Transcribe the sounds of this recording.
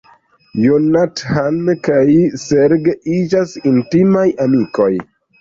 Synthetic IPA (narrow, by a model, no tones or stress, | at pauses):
jonathankajseɾɡeid͡ʒasintimajamiko̞j